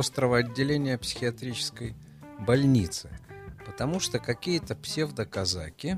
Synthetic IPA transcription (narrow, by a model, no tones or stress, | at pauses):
ost̪ɾəvəɐdʲːɪlʲenʲɪjəpsʲɪ̥xʲɪɐt̪ɾʲit͡ɕɪ̥skəj | bɐlʲnʲit̪sɨpət̪ɐmuʂt̪okɐkʲijət̪əpsʲevd̪əkɐza̰kʲɪ